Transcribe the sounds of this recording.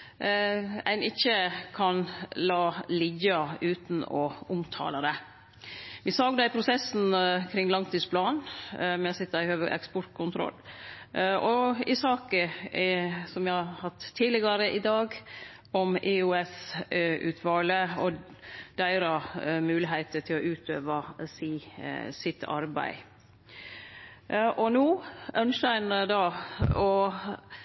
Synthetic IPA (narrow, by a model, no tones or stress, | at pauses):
æ̰ɪnɪçːəkʰɑnlɑːlɪjɑʉːt̪n̩ɔʊmt̪ʰɑ̰ːlɑd̪ɛ | ʋɪsɑɡd̪æɪpʰɾʊsɛsn̩kʰɾɪŋːlɑŋt̪ʰiːspʰlɑːnmæsɪt̪ːəæhøːʋəʔɛ̰kspɔɾʈ̪kʰʊnt̪ʰɾɔ̰lː | ʔɔɪsɑːkə | sɔmjæɪhɑhɑt̪ʰːiːlɪɡɑɾəʔɪd̪ɑːɡ | ɔmʔɪʉɛsʉ̰ːt̪ʰʋɑːləɔ | d̪̥æɪɾɑmʉːlɪɦeɪt̪əʈ̪ʰɪlɔʔʉːt̪ʰøːʋɑsiːsɪt̪ʰːɑ̰ɾbæ̰ɪ | ʔɔnuːʔœnʃəæɪnəd̪ɑɔ